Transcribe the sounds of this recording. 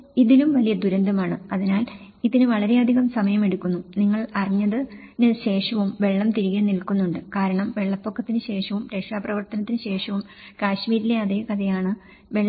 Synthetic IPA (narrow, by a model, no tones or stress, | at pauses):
iðilumʋɐlijɐd̪uɾɐnd̪ʱɐmaːɳɨɐðinaːl | iðinɨʋɐɭɐɾe̞ɐd̪ʱiɣɐmsɐmɐjɐme̞ɽukːunːuniŋːɐɭɐriɲːɐðɨnɨɕe̞ːʂɐʋumʋe̞ɭːɐmt̪iɾiɣenilkːunːuɳɖɨkaːɾɐɳɐmʋe̞ɭːɐpːokːɐt̪ːinɨɕe̞ːʂɐʋumɾekʂaːprɐʋɐrt̪ɐnɐt̪ːinɨɕe̞ːʂɐʋum | kaːɕmiːɾile̞ɐðekɐðɐjaːɳɨ | ʋe̞ɭː